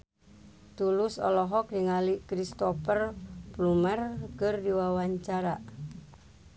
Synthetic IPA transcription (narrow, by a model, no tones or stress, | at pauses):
t̪ulʊsɔlɔɦɔk̚diŋalikɾist̪ɔpərplumərkɨrdiwawaɲt͡ʃaɾa